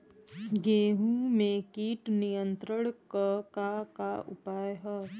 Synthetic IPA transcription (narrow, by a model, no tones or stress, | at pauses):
ɡeːɦũmẽkiːʈnijə̃nt̪ɾəɽ̃kəkakaʊpaːjɦə